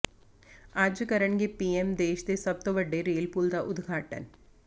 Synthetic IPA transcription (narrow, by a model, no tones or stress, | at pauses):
ad͡ʒɨkɐɾɐɳɡepiemd̪eːʃɐ̥t̪esɐb̚t̪ɐʋɐɖːeɾiːlpuːld̪ɐʔʊd̪ɡʱaːʈːɐ̰n